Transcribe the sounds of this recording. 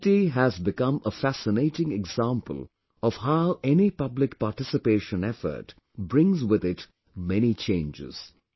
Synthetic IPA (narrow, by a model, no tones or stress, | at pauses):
tiɦæzbɪkʌ̃məfæsɪneɪʈɪ̃ŋɛɡzãːmpə̰lˠ | ɔv̥haʊʔɛnipʌblɪkpaːɾʈɪsɨpeːʃə̃nɛfə̰ɾʈ | bɾɪ̃ŋzwɪd̪ɪt | mɛnit͡ʃẽɪ̃nd͡ʒɪ̰z̥